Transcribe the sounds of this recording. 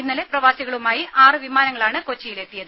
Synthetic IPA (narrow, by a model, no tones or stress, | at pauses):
inːɐleprɐʋaːsiɣɐɭumaːjiʔaːrɨʋimaːnɐŋːɐɭaːɳɨkot͡ɕːɐjile̞t̪ːijɐðɨ